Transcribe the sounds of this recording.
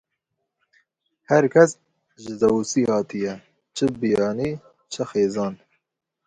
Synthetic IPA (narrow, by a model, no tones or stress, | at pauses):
hæɾkʰɛs | ʒɨzɛwusiːhɑːt̪ijɛ | t͡ʃʰɨbijɑːniː | t͡ʃʰɨxeːzɑːn